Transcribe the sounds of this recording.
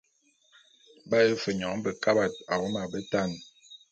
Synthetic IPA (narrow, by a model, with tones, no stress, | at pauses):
ba˦jə˦fə˨ɲɔ˨˦bə˨ka˦ba˨t̚a˨wɔ˦ma˨bə˦ta˦˨n